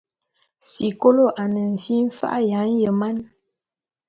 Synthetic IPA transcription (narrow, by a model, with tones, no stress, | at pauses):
si˨ko˦lo˦ʔa˨nə˨ɱ̩˨fi˦m̩˦fa̰˦ʔja˨˦n̩˦jə˨ma˦n